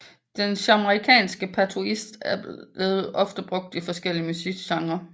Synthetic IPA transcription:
d̥enɕɑməʁikʰɛ̰ːnsɡ̥əpʰæt͡sʰuisd̥æɐ̥le̝ːð̩ˠʔɒ̽fd̥əb̥ʁɔ̽ɡ̥̚d̥ifɒ̽sɡ̥el̰iəmusiɡ̥sɑ̈ŋɐ

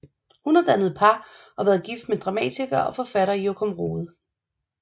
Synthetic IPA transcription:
hunɑd̥ænð̞̩ˠpʰɑ̈ | ɒ̽ʋæːð̩ˠɡ̥ifd̥med̥ʁɑ̈mɛ̰ːt͡sʰiɡ̥ɐɒ̽fɒ̽fæɾ̥ɐjokʰomʁo̝ːð̩ˠ

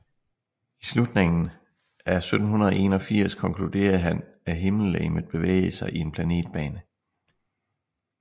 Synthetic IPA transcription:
islud̥ne̝ŋn̩ | ʔæɐsød̥n̩ɦunɐð̞ˠɒe̝̰ːnɒ̽fiɐ̰skʰɒ̽ŋkʰlud̥e̝̰ːɐð̩ˠɦæn | æɦe̝ml̩lḛːmð̩ˠb̥e̝ʋḛɪsɑ̈ɪʔie̝npʰlæne̝̰ːd̥̚b̥ɛːnə

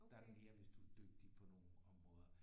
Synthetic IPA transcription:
d̥ɑ̈deme̝ːɐʋe̝sd̥uæd̥øɡ̥̚d̥ipʰɒ̽no̝ːn̩ɒ̽mʁɔ̽ːð̞ˠɐ

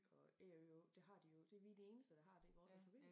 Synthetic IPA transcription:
ɒ̽eod̥eɦɑ̈d̥ijo̝d̥e̝ɐʋid̥ee̝ːnəsd̥əd̥ɑ̈ɦɑ̈d̥e̝iʋɒːspʰob̥ḛːm

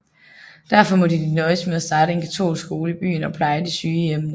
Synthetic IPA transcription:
d̥æɐfɒ̽mɔ̽d̥id̥inɒɪsmeðˠæsd̥ɑ̈ːɾ̥əe̝nkʰæt͡sʰo̝̰ːlsɡ̥o̝ːləib̥y̰ːnɒ̽pʰlɑ̈ɪəd̥isyːjemnə

